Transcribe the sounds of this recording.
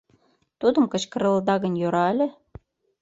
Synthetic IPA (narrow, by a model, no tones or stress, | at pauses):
t̪ud̪ə̆mkə̆t͡ɕkə̆ɾə̆lˠd̪ɑɣə̆nʲjoɾɑlʲĕ